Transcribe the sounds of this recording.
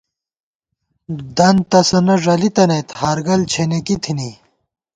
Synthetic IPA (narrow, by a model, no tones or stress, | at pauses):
d̪ɐnt̪ɐsɐnɐʐɐlit̪ɐnet̪haːɾɡɐlt͡ɕʰenekit̪ʰini